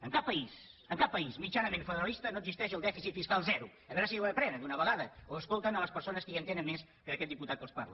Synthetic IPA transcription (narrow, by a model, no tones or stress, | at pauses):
əŋkapːəisəŋkapːəizmit͡ʃanəmẽɱfəðəɾəlist̪ənoəɡzist̪ɛʃ̬əlˠd̪ɛfisit̪fiskalˠzɛɾu | əβɛɾəs̬iɛwəpɾɛnəd̪unəβəɣaðəoəskolˠt̪ənələspəɾsonəskəjənt̪enəmmes | kəðəkɛt̪̚d̪iput̪at̪kəlˠspa̰ɾlə̰